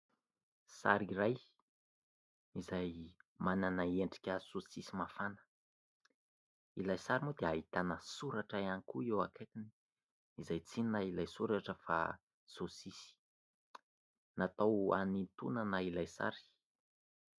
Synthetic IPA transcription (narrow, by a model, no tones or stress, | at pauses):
sa̰ɾiɾaj | izajmananaeɳɖ͡ʐi̥kʲəsosisimafanə̥ | ilajsaɾimod̪eaɦit̪anəsuɾaʈ͡ʂaanikuewaket̪ini̥ | izajt͡sinnailajsuɾaʈ͡ʂəfa̰ | sosisi̥ | nat̪awa̰nit̪unanailajsa̰ɾi̥